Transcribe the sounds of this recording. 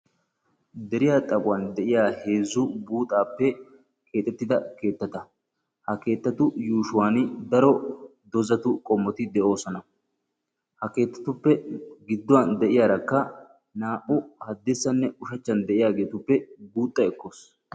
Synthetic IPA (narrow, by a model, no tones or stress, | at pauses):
d̪ɛɾɪjaːt̪ʼɐbʊwaːnd̪ɛʔɪjaːhe̞ːzːʊbuːt̪ʼaːpːɛ | kʰe̞ːt̪ːɛt̪ːɪd̪ɐke̞ːt̪ːɐt̪ɐ | hɐke̞ːt̪ːɐt̪ʊjuːʃʊwaːnɪd̪ɐɾɔd̪ɔzɐt̪ʊkʼɔmːɔt̪ɪd̪ɛʔo̞ːsɔnɐ | hɐke̞ːt̪ːɐ̥t̪ʊpːɛɡɪd̪ːʊwand̪ɛʔɪjaːɾɐkːɐ | naːʔʊhɐd̪ːesːɐnːɛʊʃɐt͡ʃːɐnd̪ɛʔɪjaːɡe̞ːt̪ʊpːɛbuːt̪ʼːɐɛkːo̞ːs